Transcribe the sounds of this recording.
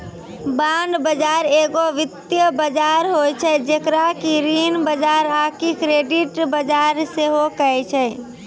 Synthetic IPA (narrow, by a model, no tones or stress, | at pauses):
bãɳɖbəd͡ʒaɾeɡoʋɪt̪jəbəd͡ʒaɾɦojt͡ʃʰɛd͡ʒekɾakiɾinbəd͡ʒaɾakikɾeːɖiʈbəd͡ʒaɾseɦokəɛt͡ʃʰɛ